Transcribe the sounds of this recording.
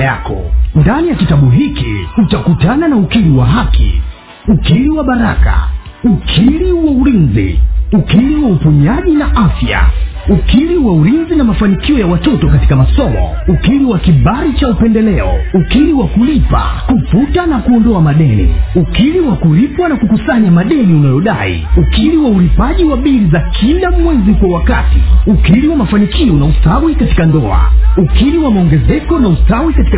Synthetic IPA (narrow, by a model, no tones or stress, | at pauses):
jakɔ̰ndanijakitaɓuɦikḭutakutananaukiliwaɦakḭ | ukiliwaɓaɾaka̰ | ukʰiliwauɾinzḭukiliwaupuɲaʄinaʔafja̰ | ukiliwauɾinzinamafanikiɔjawatɔtɔkati̥kamasɔmɔ̰ukiliwakiɓaɾit͡ʃaupɛndɛlɛɔ̰ukiliwakulipa̰kuputanakuɔndɔamaɗɛnḭukiliwakuɾipwanakukusaɲamaɗɛniunajɔɗa̰ḭukiliwaulipaʄiwaɓiɾizakʰilamwɛzikwawakatiukiliwamafanikʰiɔnausawikati̥kandɔa̰ukiɾiwamaɔŋɡɛzɛkɔnausawikati̥k